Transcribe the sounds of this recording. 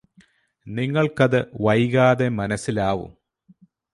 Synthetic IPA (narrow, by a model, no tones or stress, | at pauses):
niŋːɐɭkɐðɨʋɐjɣaːðemɐnɐsːilaːʋṵm